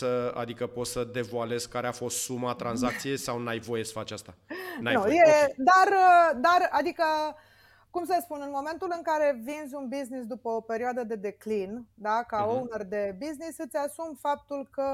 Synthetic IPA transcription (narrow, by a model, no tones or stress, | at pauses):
səa̰d̪ikəpo̞t̪səd̪e̞voale̞zkːaɾeafo̞st̪sumat̪ɾanzak̚t̪sije̞jsawnajvo̞je̞sə̥fat͡ʃast̪anaj̪nujed̪arəd̪arad̪ikə | kums̬əspunɨnmo̞me̞nt̪ulɨŋkaɾe̞vinzʲunbiznisd̪upəope̞ɾioad̪əd̪e̞d̪e̞klind̪akaownərd̪e̞biznisɨt̪sʲasumfap̚t̪ulkə